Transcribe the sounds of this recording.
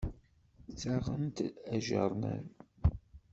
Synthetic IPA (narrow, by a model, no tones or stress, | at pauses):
t͡sːaʁənt̪æʒə̰ɾˤnæ̰ɾ